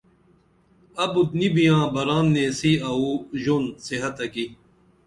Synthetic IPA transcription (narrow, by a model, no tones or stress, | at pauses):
ɐbut̪̚nibijãːbɐɾaːnːẽːsiɐuʑonsiɦɐt̪ɐki